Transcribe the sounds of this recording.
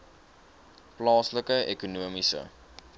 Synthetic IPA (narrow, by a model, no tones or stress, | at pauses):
plɑːsləkəʔekunuəmisə̰